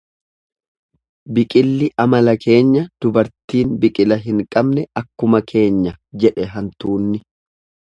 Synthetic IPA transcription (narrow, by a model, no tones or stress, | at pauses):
bɪkʼɪlːɪʔɐmɐlɐkʰe̞ːɲːɐd̪̥ʊbɐɾt̪iːnbɪkʼɪlɐɦɪŋkʼɐbnɛɐkːʊmɐkʰe̞ːɲːɐd͡ʒɛᶑɛɦɐnt̪uːnːɪ